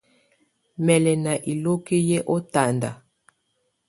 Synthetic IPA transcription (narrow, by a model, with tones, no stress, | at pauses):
mɛ˨lɛ˨na˨ʔi˨lo˦ki˦je˦ʔo˦ta˨nda̰˨